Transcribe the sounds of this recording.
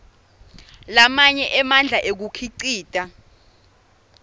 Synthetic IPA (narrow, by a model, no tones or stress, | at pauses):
lamaɲɛʔɛmand͡ɮʱaʔek̬ukʰiǀiːtʼa